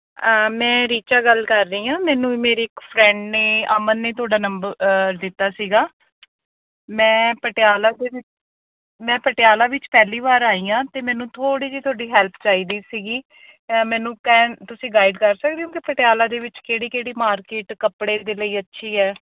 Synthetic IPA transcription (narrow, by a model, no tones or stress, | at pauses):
əmɛ̃ːɾiːt͡ʃaːɡəlkəɾːəiːãːmɛ̃ːnũːiːmeːɾiːɪkpʰɾɛ̃ːɳɖneːəmənːeːt̪ʰʊaːɖaːnəmbəɾd̪ɪt̪ːaːsiːɡaː | mɛ̃ːpəʈɪaːlaːd̪eːʋɪt͡ʃ | mɛ̃ːpəʈɪjaːlaːʋɪt͡ʃpɛːliːʋaːɾaːiːãːt̪eːmɛ̃ːnũːt̪ʰoːɽiːd͡ʒiːt̪ʰaːɖiːɦɛːlpʰt͡ʃaːiːd̪iːsiːɡiː | mɛ̃ːnũːkɛːt̪ʊsĩːɡaːɪɖkəɾsək̚d̪eõːkipəʈejaːlaːd̪eːʋɪt͡ʃkeːɽiːkeːɽiːmaːɾkeːʈkəpɽeːd̪eːləiːətːʃʰiːɛː